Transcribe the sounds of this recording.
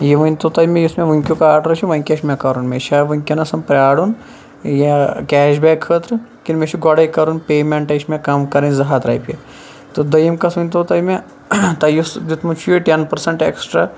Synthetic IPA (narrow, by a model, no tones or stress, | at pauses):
jiʋɐnʲt̪ot̪aːjmẽjusmeʋɐŋkʲjukaaːʈɾɐʃiʋɐŋʲkʲɐʃmʲakɐɾunmeʃaːʋɐŋkʲjɐnɐsɐmpɾʲaːɽun | jakʲɛːʃbɛːkʰːəːt̪ɾɨkʲinmʲeʃuɡɔɽajkɐɾunpeːmʲeɳʈɐjʃmʲekɐmkɐɾinʲzɐɦat̪ɾa̰jpʲe | t̪ɨd̪ɐjimkɐsʋɐnʲt̪ot̪ajmʲe | t̪ɐjusd̪it̪mut͡ʃʰujiʈenpɐɾsɐɳʈeksʈɾa